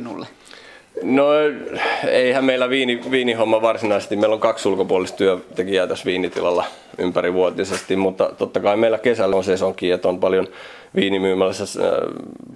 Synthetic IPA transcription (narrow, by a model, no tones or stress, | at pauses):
nṵlːe | no | eihæmmeilːˑæʋiːniʋiːnihomːɑʋɑrsinɑise̥st̪imeilːoŋkɑksulkopuolist̪t̪yøt̪ekiæːt̪æsʋiːnit̪ḭlɑlːɑ | ympæriʋuot̪isest̪immut̪ːɑ̰t̪ot̪ːɑkɑimeilækesælːonsesoŋkːˑiːet̪ːompɑljon | ʋiːnimyːmælːæsːæ